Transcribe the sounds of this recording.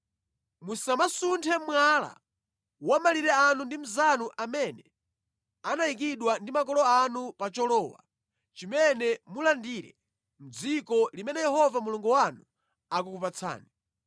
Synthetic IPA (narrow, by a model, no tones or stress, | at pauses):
musamasuntʰɛmwala̰ | wamaliɾɛanundim̩zanuʔamɛnɛ | anaik̬iɗwandimak̬ɔlɔanupat͡ʃɔlɔːwa̰ | t͡ʃimɛnɛmulandiːɾɛ̰ | m̩d͡zikɔlimɛnɛjɛɦɔvamuluŋɡɔwanu | akukupat͡sʰa̰ːni